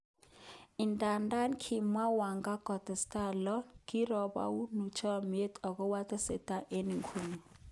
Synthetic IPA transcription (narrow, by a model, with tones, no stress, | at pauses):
i˨ntʼa˨nda˦nkʰi˨mwa˦wa˨ŋɡa˦ɡ̥ɔ˨d̥ɛ˨sta˦˨lɔ˦ki˦rɔ˨ɓa̰˦u˦nu˨t͡ʃʰɔ˦m˨e˦tʼɔ˨kɔ˦wa˦tʼɛ˦sɛ˨tʼa˦ʔe˦ni˨ŋkʰu˨nɔ˨